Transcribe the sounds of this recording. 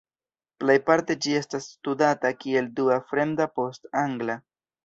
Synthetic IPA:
plejpaɾte̞d͡ʒie̞stasːtudatakie̞lduafɾe̞ndapo̞staŋɡla

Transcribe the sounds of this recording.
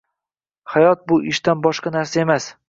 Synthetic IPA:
hajɒt̪̚bʊʔɪʃt̪anbɒʃqɑnaɾsae̞mas

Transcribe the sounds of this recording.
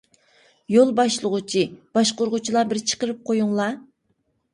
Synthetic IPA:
jolˠbɑʃlˠəʁʊt͡ʃʰib̥ɑʃqoɾʁʊt͡ʃʰilˠɑbɪɾt͡ʃʰə̥qəɾɨp̚qʰojuŋlˠɑ

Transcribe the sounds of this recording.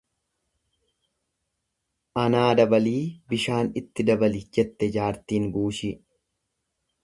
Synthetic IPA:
ʔɐnaːd̪ɐbɐliːbɪʃaːnɪt̪ːɪd̪ɐbɐlɪd͡ʒɛt̪ːɛd͡ʒaːɾt̪iːŋɡuːʃɪ

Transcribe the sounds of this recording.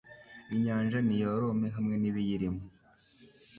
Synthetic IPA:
iɲaːnʒanijoɾomeɦamŋe̞niβijiɾimo

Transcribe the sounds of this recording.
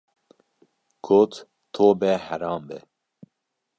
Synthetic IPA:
ɡ̥ʰoːt̪ | t̪ʰoːbɛhɛɾɑːmbɛ

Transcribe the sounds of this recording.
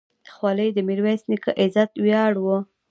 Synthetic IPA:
d̪əxwɑləjd̪əmiɾwasnikəʔɪzat̪wjɑɽwə

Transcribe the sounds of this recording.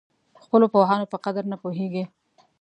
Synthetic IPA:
xpəlopoɦɑnopəqad̪aɾnapoɦeɡi

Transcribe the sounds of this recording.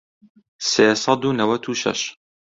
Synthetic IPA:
seːsˤɑd̪uːnɐwɐt̪ʰuːʃɐ̰ʃ

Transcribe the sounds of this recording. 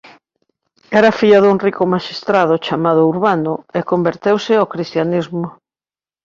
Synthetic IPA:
ɛɾafiʎɐðuŋrikʊmaʃist̪ɾað̞ʊt͡ʃamað̞ʊuɾβanʊekombeɾt̪ewsɪakɾist̪janizmʊ

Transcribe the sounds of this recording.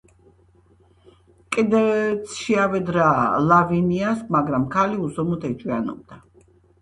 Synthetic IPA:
kʼid̪ɛt̪sʰʃiavɛd̪ɾaːlaviniasmaɡɾamkʰaliusɔmut̪ʰɛt͡ʃʼwianɔ̰b̚d̪a

